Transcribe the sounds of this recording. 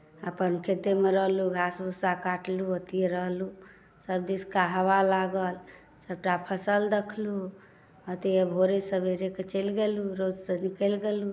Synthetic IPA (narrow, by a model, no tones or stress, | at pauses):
əpənkʰet̪emeɾəɦluɡʱasbʱusakaʈluət̪ieɾəɦlu | səbd̪iskaɦəβalaɡəl | səb̚ʈapʰəsəld̪ekʰlu | ət̪iebʱoɾesəbeɾeket͡ʃəlɡeluɾod͡ʒsənikəlɡelu